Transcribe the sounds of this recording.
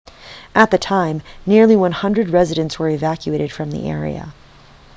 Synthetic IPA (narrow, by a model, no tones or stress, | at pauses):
ʔɨt̪̚ðɨtʰãɪ̃mnɪɹlˠiwʌ̃nhʌ̃ndɹɨd̚ɹɛzɨɾɨ̃ntswə˞ɨvækjʉeɪɾɨd̥fɹʌ̃mðḭʔɛ̰ɹḭɨ̰